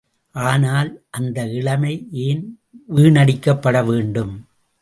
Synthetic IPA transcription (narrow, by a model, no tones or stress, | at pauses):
ʔaːnaːlʔɐnd̪ɐɪɭɐmɐɪʔeːn | ʋiːɳɐɽɪkːɐpːɐɽɐʋeːɳɖɯm